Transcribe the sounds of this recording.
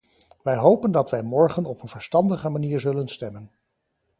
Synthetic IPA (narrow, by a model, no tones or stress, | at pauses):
ʋɛjɦowpəndɑtʋɛjmɔɹχənɔpənvəɹstɑndəχəmaniːɹzɵlənstɛmən